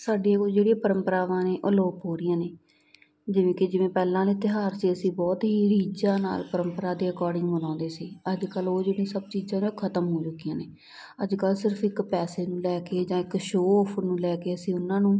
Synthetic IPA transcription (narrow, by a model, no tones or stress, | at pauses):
saːɖijãːkod͡ʒeːɽiãːpəɾəmpəɾaːʋãːneːʔoːloːpɦoːɾɪjãːneː | d͡ʒɪʋẽːkɪd͡ʒɪʋẽːpɛːlãːleːt̪ɪɦaːɾt͡ʃeəsĩːbɔːt̪ɦiːɾiːd͡ʒãːna̰ːlpəɾəmpəɾaːd̪eːəkɔːɖɪ̃ŋɡbənãːnd̪eːsiːəd͡ʒkəloːd͡ʒeːɽĩːsəb̚t͡ʃiːzãːnũkʰət̪əmɦoːd͡ʒʊkːɪjãːneː | əd͡ʒkəlsɪɾəpʰɪkpɛːseːnũːlɛːkeːd͡ʒãːɪkʃoːɔːpʰənũːlɛːkeːəsĩːʊnːãːnũː